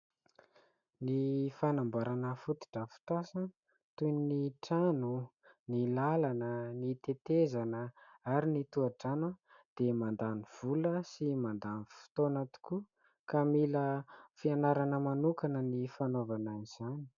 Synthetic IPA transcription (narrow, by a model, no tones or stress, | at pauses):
nifanambaɾanəfut̪i̥ʈ͡ʂəfi̥t̪asə | t̪ujnniʈ͡ʂanunilalanənit̪et̪ezanəaɾinit̪uaʈ͡ʂanə | d̪̥emand̪aniv̥uləsimand̪anifi̥t̪onat̪u̥ku | kamiləfianaɾanəmanukanənifanovananiz̥ani̥